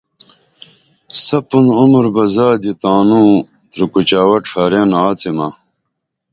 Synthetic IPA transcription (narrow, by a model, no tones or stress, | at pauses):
sɐpunumɾbɐzaːd̪it̪aːnu | t̪ɾukut͡ɕaːwɐʈ͡ʂʰaːɾenaaːt͡simɐ